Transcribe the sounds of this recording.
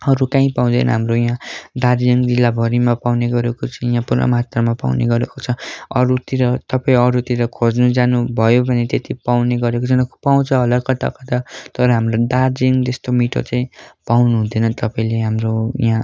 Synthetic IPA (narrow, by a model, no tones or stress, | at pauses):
ʌɾukãĩpaw̃d̪ʌ̰nʌ̰ɦamrojãdard͡ziŋd͡zilːabʱʌɾimapawneɡʌɾekot͡saĩjãpurnʌ̰mat̪rʌmapa̰wnḛɡʌɾekot͡sʰʌʌɾut̪iɾʌt̪ʌpaĩʌɾut̪iɾʌkʰod͡znud͡zanubʱʌjobʱʌnet̪et̪ipawneɡʌɾekot͡sʰʌnpaw̃t͡sʰʌʌlʌkʌt̪a̰kʌt̪at̪ʌɾʌɦamrodaɾd͡ziŋd̪est̪omiʈʰo̰t͡saĩpawnuɦũd̪ʱʌnʌt̪ʌpãĩleɦamroj̰ã